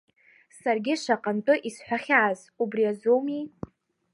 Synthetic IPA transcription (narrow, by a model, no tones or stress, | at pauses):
sarɡʲɪʂaqʼantʼɨʔisħʷᶣaχʲaːz | ubriazowmi